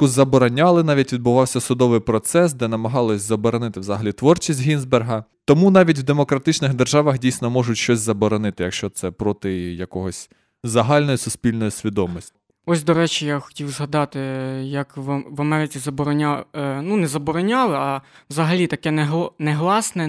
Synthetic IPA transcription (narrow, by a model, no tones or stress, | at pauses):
ʊzɐbɔɾɔnʲɑlˠɪnɑʋʲitʲʋʲid̪̚bʊʋɑwsʲɐsʊd̪ɔʋɪjpɾɔt̪sɛsd̪ɛnɐmɐɦɑlˠɔsʲzɐbɔɾɔnɪt̪ɪwzɐɦɐlʲit̪ʋɔrt͡ʃisʲtʲɦʲinzberɦɐt̪ɔmunɑʋʲitʲwd̪e̞mɔkɾɐt̪ɪt͡ʃnɪxd̪erʒɑʋɐxdʲijsʲnɔmɔʒʊtʲʃt͡ʃɔsʲzɐbɔɾɔnɪt̪ɪjɐkʃt͡ʃɔt̪sɛpɾɔt̪ɪjɐkɔɦɔsʲ | zɐɦɑlʲnɔjisʊspʲilʲnɔjʊsʲʋʲid̪ɔmɔsʲtʲi | ɔsʲd̪ɔɾɛt͡ʃʲijaxɔ̥tʲiwzɦɐd̪ɑt̪ɪjɐkʋʋɐmɛɾɪt͡sʲizɐbɔɾɔnʲanunɛzɐbɔɾɔnʲɑlˠɪɐwzɐɦɐlʲit̪ɐkɛnɛɦˠnɛɦlˠɑsnɛ